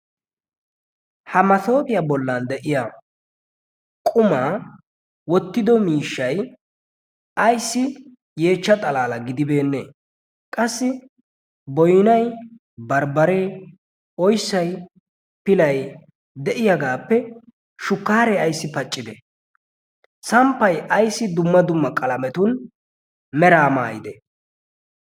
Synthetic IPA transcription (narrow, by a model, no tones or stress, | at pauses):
hɐmɐt̪o̞ːpɪjabɔlːɐnd̪ɛʔɪja | kʼʊmaː | wɔt̪ːɪd̪ɔmiːʃːɐj | ɐjsːɪ | je̞ːt͡ʃːɐt̪ʼɐlaːlɐɡɪd̪ɪbe̞ːnːḛː | kʼɐsːɪ | bɔjnɐj | bɐɾbɐɾeː | ɔjsːɐj | pɪlɐj | d̪ɛʔɪjɐɡaːpːɛ | ʃʊkːaːɾɛɐjsːɪpɐt͡ʃʼːɪd̪ɛ | sɐmpːɐjʔɐjsːɪd̪ʊmːɐd̪ʊmːɐkʼɐlɐmɛt̪ʊn | mɛɾaːma̰ːjɪd̪ɛ